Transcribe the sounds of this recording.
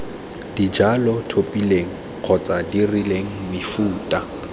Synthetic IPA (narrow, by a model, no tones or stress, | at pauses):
d̥id͡ʒalɔtʰopʼileŋ̩ | q͡χʰɔt͡sʼadirileŋ̩mɪfuːtʼa